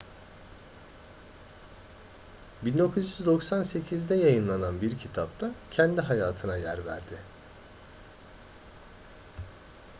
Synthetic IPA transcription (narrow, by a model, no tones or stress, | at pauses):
bind̪o̞kʰuzjyzd̪o̞ksanse̞cʰizd̪ɛjajɯnlˠananbiɾcʰit̪ʰap̚t̪ʰacʰɛnd̪iɦajaːt̪ʰɯnajæ̰ɾvæ̰ɾd̪ɪ